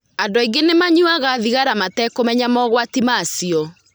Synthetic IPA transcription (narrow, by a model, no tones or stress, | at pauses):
andɔiɡenemaɲuaɣaðiɣaɾamatɛkomɛɲamɔɣwatimasiɔ